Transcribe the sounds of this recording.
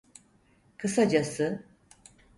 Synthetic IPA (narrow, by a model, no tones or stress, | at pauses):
kʰɯsad͡ʒasɯ